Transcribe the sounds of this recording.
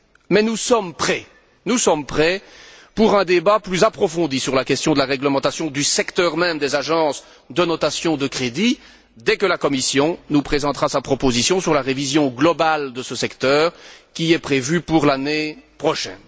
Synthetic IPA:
mɛnusɔmpχɛ | nusɔmpχɛpuʁɛ̃d̪ebaplyzapχɔfɔ̃d̪isyʁlakɛst̪jɔ̃d̪əlaʁɛɡləmɑ̃t̪asjɔ̃d̪ysɛkt̪œʁmɛmd̪ezaʒɑ̃s | d̪ənɔt̪asjɔ̃d̪əkχed̪i | d̪ɛkəlakɔmisjɔ̃nupχezɑ̃t̪ʁasapχɔpozisjɔ̃syʁlaʁevizjɔ̃ɡlɔbald̪əsəsɛkt̪œːʁkʲiɛpχevypuʁlanepχɔʃɛ̰n

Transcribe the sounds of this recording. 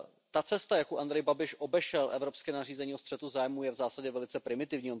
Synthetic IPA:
t̪at͡sɛst̪ajakuʔand̪ɾɛjbabɪʃʔo̞bɛʃɛlʔɛvɾo̞pskɛːnar̝iːzɛɲiːost̪r̥ɛt̪uzaːjmujɛvzaːsaɟɛvɛlɪt͡sɛpɾɪmɪt̪ɪvɲiːo

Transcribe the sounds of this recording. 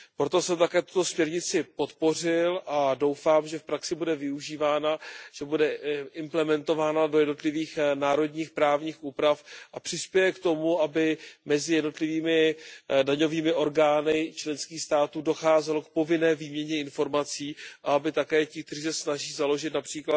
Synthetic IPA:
pɾo̞t̪o̞sɛmt̪akɛːt̪u̥t̪o̞smɲɛɾɲɪt͡sɪpo̞t̪po̞r̝ɪlʔado̞wfaːmʒɛfpɾaksɪbudɛvɪuʒiːvaːnaʒ̥ɛbudɛʔɪmplɛmɛnt̪o̞vaːnado̞jɛdno̞t̪lɪviːxnaːɾo̞dɲiːxpɾaːvɲiːxʔuːpɾafʔapr̥ɪspjɛjɛkt̪o̞muabɪmɛzɪjɛdno̞t̪lɪviːmɪdaɲo̞viːmɪʔo̞ɾɡaːnɪt͡ʃlɛnskiːxst̪aːt̪uːdo̞xaːzɛlo̞kpo̞vɪnɛːviːmɲɛɲɛɪnfo̞ɾmat͡siːʔaabɪt̪akɛːcɪk̚t̪ɛriːsɛsnaʒiːzalo̞ʒɪt̪napr̥iːkla

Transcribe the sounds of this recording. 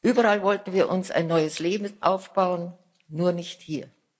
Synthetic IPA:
ʔyːbɐʁalvɔltn̩viːɐʔʊnsa̰ɪnːɔʏəsleːbm̩ʔaʊfb̥aʊənː | uːɐnɪçthiːɐ

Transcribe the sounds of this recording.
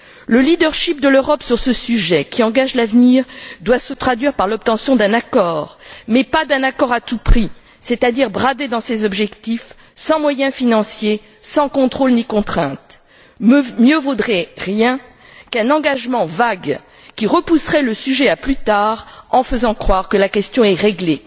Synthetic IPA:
ləlid̪œʁʃip̚d̪əløʁɔpsyʁsəsyʒɛkʲiɑ̃ɡaʒlavniːʁd̪wasət̪χad̪ɥiʁpaʁlɔp̚t̪ɑ̃sjɔ̃d̪ɛ̃nakɔːʁmɛpad̪ɛ̃nakɔʁat̪upχi | set̪ad̪iʁbʁad̪ed̪ɑ̃sezɔbʒɛkt̪if | sɑ̃mwajɛ̃finɑ̃sje | sɑ̃kɔ̃t̪χolnikɔ̃t̪χɛ̃t̪ | mjøvud̪ʁɛʁjɛ̃ | kɛ̃nɑ̃ɡaʒmɑ̃vaɡ | kʲiʁəpusʁɛləsyʒɛaplyt̪aʁɑ̃fəzɑ̃kχwaʁkəlakɛst̪jɔ̃ɛʁeɡle

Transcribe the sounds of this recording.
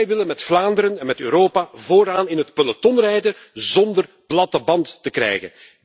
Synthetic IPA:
jʋɪlənmɛtflaːndəɾənɛnmɛtø̰ːɾoːpavoːɾaːnɪnɦətpələtɔnrɛjdə | zɔndər | blɑtəbɑntːəkrɛ̰jɣə̰n

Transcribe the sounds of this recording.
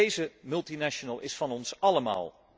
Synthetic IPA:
ejzəmɵlˠtinaːʃonəlˠʔɪsfɑnɔnsɑləma̰ːlˠ

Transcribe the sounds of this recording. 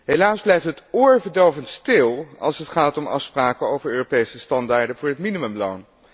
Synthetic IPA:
ɦelaːzblɛjftɦətʊːɹvəɹdowvəntstɪlˠɑ̰lˠsɦətχaːtɔmɑ̰fspraːkənowvəɹøːropejsəstɑndaːɹdəvʊːɹɦətminiməmlo̰wn

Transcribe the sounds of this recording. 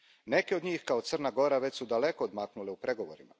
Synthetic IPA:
ne̞keod̪ɲiːxkaot̪sərnaɡo̞ɾaʋet͡ɕsud̪ale̞ko̞ːd̪maːknuleupɾe̞ɡo̞ʋoɾima̰

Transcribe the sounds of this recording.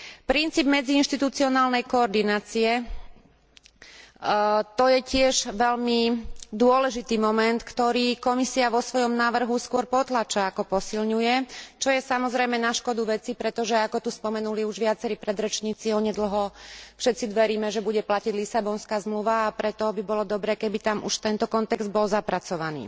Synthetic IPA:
pɾint͡siːbmɛd͡ziːnʃt̪it̪ut͡siɔnaːlnɛjkɔːɾd̪inaːt͡siɛ | t̪ɔjɛcɪɛʒʋɛʎmid̪ʊɔlɛʒit̪iːmɔmɛnt̪kt̪ɔɾiːkɔmisiaʋɔsʋɔjɔmnaːʋr̩ɦuskʊɔɾpɔt̪lat͡ʃaːkɔpɔsilɲujɛt͡ʃɔjɛsamɔzɾɛjmɛnaʃkɔd̪uʋɛt͡sipɾɛt̪ɔʒɛakɔt̪uspɔmɛnuliuʒʋɪat͡sɛɾiːpɾɛd̪ɾɛt͡ʃɲiːt͡siɔɲɛd̪l̩ɦɔfʃɛt̪t͡sid̪ʋɛɾiːmɛʒɛbuɟɛplaciɟlisabɔnskaːzmluʋaːpɾɛt̪ɔbibɔlɔd̪ɔbɾɛːkɛbit̪amʔuʃt̪ɛnt̪ɔkɔnt̪ɛɡzd̪̚bɔlzapɾat͡sɔʋanḭː

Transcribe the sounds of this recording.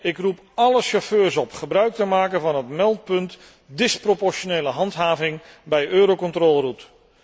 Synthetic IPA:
ɪkrup | ɑləʃoføːɹsɔpχəbrœɥk̚təmaːkənvɑnɦətmɛlˠt̚pɵnt | dɪspropɔɹʃonejləɦɑntɦaːvɪŋ | bɛjʔøːɾowkɔntrɔːlˠrut

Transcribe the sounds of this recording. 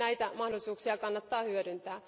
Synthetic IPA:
æit̪æmɑhdolːˑisuːksiɑkɑnːɑt̪ːɑːhyødynt̪æː

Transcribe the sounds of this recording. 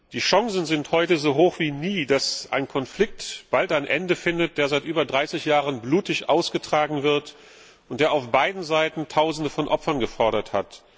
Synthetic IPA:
d̥iːʃɔŋsn̩zɪnthɔʏtəzoːɦoːxv̥iːniːdasʔa̰ɪnkʰɔnflɪk̚tb̥altanʔɛndəfɪndət̚d̥eːɐzaɪtʔyːbɐdʁaɪsɪçjaːʁənbluːtɪçʔaʊsɡ̥ətʁ̥aːɡŋ̩vɪɐt | ʔʊntd̥eːɐaʊfb̥aɪdn̩zaɪtn̩tʰaʊzn̩dəfɔnʔɔpfɐnɡəfɔɐɾɐthat

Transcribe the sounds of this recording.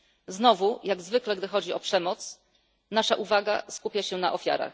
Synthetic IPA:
znɔvujaɡzvɘklɛɡd̪ɘxɔd͡ʑiʔɔpʂɛmɔt̪s | naʂaʔuvaɡa̰skupʲjaɕɛnaʔɔfʲja̰ɾa̰x

